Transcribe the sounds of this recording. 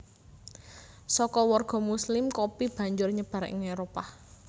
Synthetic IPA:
sɔkɔwɔrɡ̥ɔ̤muslɪmkopib̥ä̤ɲd͡ʒʊrɲəb̥ä̤ɾɛ̰ʔŋeɾopa

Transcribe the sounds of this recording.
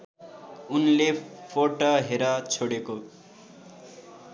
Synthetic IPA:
unlepʰoʈoɦeɾʌt͡sʰoɽeko

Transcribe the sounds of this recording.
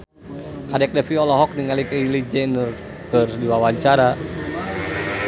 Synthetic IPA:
kadɛk̚dɛfiɔlɔɦɔk̚niŋalikəilid͡ʒɛnər | kərdiwawat͡ʃaɾa

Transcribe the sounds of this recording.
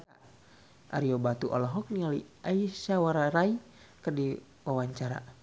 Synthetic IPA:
a | ʔa̰ɾiɔbat̪uʔɔ̰lɔɦɔk̚nialiaisawaɾaɾai | kɨrdi | wawaɲt͡ʃaɾa̰

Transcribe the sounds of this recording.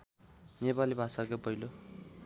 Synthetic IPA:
nepalibʱasakopʌilo

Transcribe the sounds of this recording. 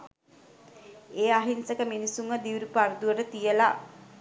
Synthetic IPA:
eːaɦinsəkəminisuŋəd̪iʋiɾupaɾd̪uʋəʈət̪ijəla

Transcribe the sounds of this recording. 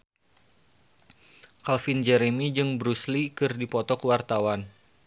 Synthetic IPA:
kalfind͡ʒɛɾemid͡ʒɨŋbɾuslikɨrdipɔt̪ɔkəwart̪awan

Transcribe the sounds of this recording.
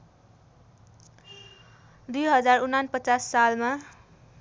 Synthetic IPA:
d̪ujɦʌd͡zarunːanpʌt͡sasːalma

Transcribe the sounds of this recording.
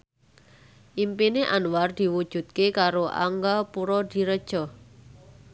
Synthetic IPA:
ʔimpineʔanward̪̥i̤wud̥ʒ̥ṳt̪̚kekaɾoʔa̰ŋɡapuɾɔd̪̥i̤ɾəd̥ʒ̥ɔ̤

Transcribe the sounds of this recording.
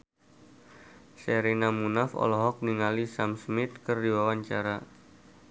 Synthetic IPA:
sɛɾinamunafɔ̰lɔɦɔk̚niŋalisamsmɪt̪̚kərdiwawaɲt͡ʃaɾa

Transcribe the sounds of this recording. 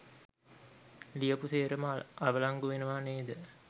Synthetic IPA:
lijəpuseːɾəmaʋəlaŋɡuʋenuʋaːneːd̪ə

